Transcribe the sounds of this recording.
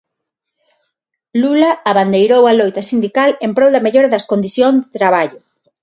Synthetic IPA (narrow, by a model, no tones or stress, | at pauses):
lulaaβand̪ejɾowalojt̪ɐsind̪ikalempɾowd̪ɐmeʎoɾɐðɐskond̪iθjoŋzd̪et̪ɾaβ̞aʎʊ